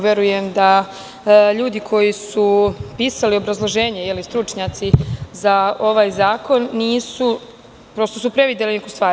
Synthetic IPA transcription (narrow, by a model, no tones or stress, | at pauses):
ʋjeɾuje̞md̪a | ʎuːd̪ikʰo̞jisupiːsalio̞bɾazlˠo̞ʒeːɲe̞jelist̪ɾut͡ʂɲat̪sizao̞ʋaːjzaːko̞nːiːsu | pɾo̞st̪osupɾe̞ʋid̪elinekust̪ʋaːɾ